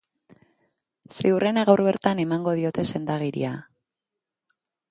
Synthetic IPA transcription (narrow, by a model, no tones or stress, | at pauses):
seurʔe̞naɣawɾβe̞ɾt̪ane̞maŋɡo̞ð̞io̞t̪e̞se̞nd̪aɣ̞iɾḭa